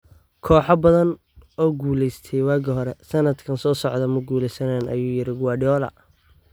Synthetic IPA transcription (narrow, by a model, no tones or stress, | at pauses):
kʰɔːħɑbɐðɐn | ɔːɡuːlɛjst̪ʰɛjwɑːɡɐɦɔɾɛsɐnɐd̪kʰɐnsɔːsɔʕd̪ɐmɐɡuːlɛjsɐnaːnɐ̰juːjɪɾɪɡʊwɑːɖɔːlɐ̰